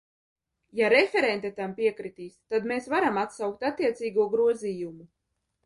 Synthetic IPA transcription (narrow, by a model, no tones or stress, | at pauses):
jaɾefʲeɾɛnt̪ɛt̪ampiɛkɾit̪iːst̪ad̪meːsvaɾamat̪sawk̚t̪at̪ːiɛt̪siːɡuɔɡɾuɔziːjumu